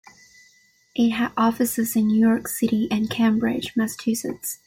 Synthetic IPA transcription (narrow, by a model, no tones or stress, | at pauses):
ʔɪt̚ɦɨɾʔɔfɨsɨzɨ̃nːʉjɔɹksɪɾiʔɨ̃nkʰæ̃mbɹɪd̥d͡ʒmæsə̥tʰʉsɨ̰ts